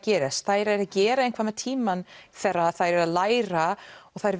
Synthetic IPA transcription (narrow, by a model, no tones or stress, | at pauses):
cɛːɾɪst̪θajɾɛɾacɛːɾaɛjnkʰvamɛt̪ʰiːmanθɛrːaθajɾɛɾaðlaːjɾaɔɣθajɾ